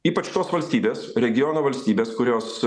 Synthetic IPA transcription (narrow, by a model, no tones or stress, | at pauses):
iːpɐt͡ʃʲt̪oːsʋɐlʲsʲt̪ʲiːbʲeːsɾʲɛɡʲɪjoːnoːʋɐlʲsʲt̪ʲiːbʲeːskʊɾʲoːs